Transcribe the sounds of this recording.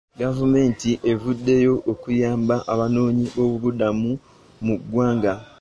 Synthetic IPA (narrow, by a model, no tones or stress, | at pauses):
ɡavume̞ːntiʔe̞vudːe̞jo̞ʔokujaːmbaʔaβano̞ːɲio̞βuβudamu | muɡwaːŋɡa